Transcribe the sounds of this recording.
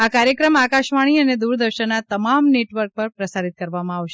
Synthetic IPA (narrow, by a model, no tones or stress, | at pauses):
akaɾjəkɾəmakaʃʋaɽ̃iəned̪uɾd̪əɾʃənːat̪əmamneʈʋəɾk̚pəɾpɾəsaɾit̪̚kəɾʋamãaʋʃe